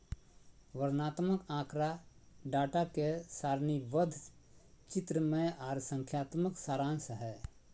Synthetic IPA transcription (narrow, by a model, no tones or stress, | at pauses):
ʋəɾnaːt̪məkãːkɾaɖaːʈakesaːɾniʋəd̪ʱt͡ʃɪt̪ɾəmẽaːɾsə̃ŋkʰjaːt̪məksaːɾãːnsəɦɛː